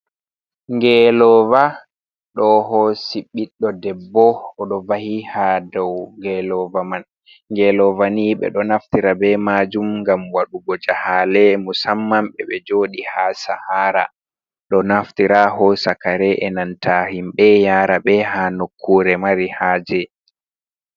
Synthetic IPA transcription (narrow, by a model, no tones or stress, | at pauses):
ŋɡɛlɔva | ɗɔhɔsiɓːiɗːɔdɛbːɔɔɗɔvahihadɔwŋɡɛlɔvaman | ŋɡɛlɔvaniɓɛ̰ɗɔnaftiɾabɛmad͡ʒumŋɡamwaɗuɡɔd͡ʒahaːlɛmusamːamɓɛɓɛd͡ʒoːɗihasahaːɾa̰ | ɗɔnaftiɾaɦɔsakaɾɛʔɛnantʰahimɓɛjaːɾaɓɛɦanokʰːuːɾɛmaɾihaːd͡ʒɛ